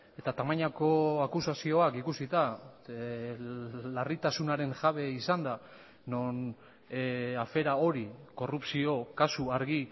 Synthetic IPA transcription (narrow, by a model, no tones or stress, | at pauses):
e̞t̪at̪amaɲako̞akusasio̞akikusit̪a | larit̪asunaɾe̞nʝaβe̞isand̪a | non | afe̞ɾao̞ɾiko̞rupsio̞kasuaɾɣi